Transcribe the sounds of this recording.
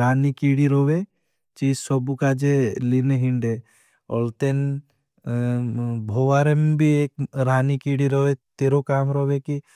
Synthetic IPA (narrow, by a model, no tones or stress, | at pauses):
ɾaːnikiːɽiɾoʋe | t͡ʃiːd͡ʒsɔbukad͡ʒelineɦiɳɖe | ɔlt̪en | bʱoʋaɾembʱieːk̚ɾaːnikiɽiɾoʋet̪eɾokaːmɾɔʋeki